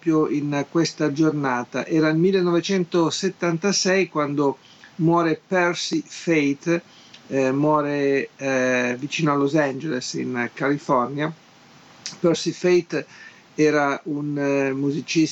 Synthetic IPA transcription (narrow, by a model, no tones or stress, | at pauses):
pɾjoʔinkwest̪ad͡ʒornaːt̪a̰ʔɛːɾailmilːenːɔvet͡ʃɛnt̪oset̪ːant̪asɛjkwand̪o | mwɔːɾepɛɾsifejt̪ | mwɔːɾe | vit͡ʃiːnoalozand͡ʒelesḭnkalifɔrnja | pɛrsifejt̪ | ɛːɾaunmuzit͡ʃis